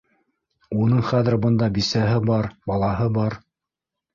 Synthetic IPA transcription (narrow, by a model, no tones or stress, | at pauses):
unɤɴχæðɘ̆ɾbɤ̆nd̪ɑbisæɦɘbɑɾbɑlˠɑɦɤbɑɾ